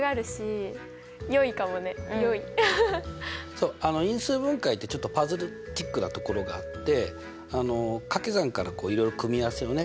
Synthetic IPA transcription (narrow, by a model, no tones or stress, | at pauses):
ɡaːɾɯ̟ɕi | jo̞ikamo̞ne̞joi | so̞ːano̞ĩɰ̃sɨːbɯ̟̃ŋkait̪ːe̞t͡ɕo̞t̪ːo̞pazɨɾɯ̟ | t̪ʲikːɯ̟nat̪o̞ko̞ɾo̞ɡaːt̪ːe̞ | ano̞kake̞zãŋkaɾako̞ːiɾo̞jɾo̞kɯ̟mʲiaβsɨjo̞ne̞